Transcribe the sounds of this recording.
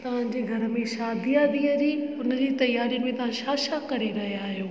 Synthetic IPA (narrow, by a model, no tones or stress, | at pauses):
t̪ɐʋ̤ãɲd͡ʑeːɡʱɐɾə̆mẽʃaːd̪ʱijaːd̪iːəd͡ʑiːʊnəd͡ʑiːt̪ɐjaːɾijʊnɪ̆mẽt̪ɐʋ̤ãʃaːʃakɐɾeɾɐɦijaːɦijõː